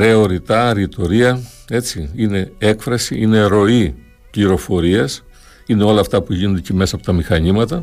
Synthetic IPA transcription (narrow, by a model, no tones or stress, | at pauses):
ɾe̞o̞ɾit̪ɐɾit̪o̞ɾiɐ | e̞t͡siine̞e̞kfɾɐsiʔine̞ɾo̞i | pliɾo̞fo̞ɾiɐs | ineo̞lɐːft̪ɐpuʝino̞nd̪eceme̞sɐpo̞t̪ɐmixɐɲimɐt̪ɐ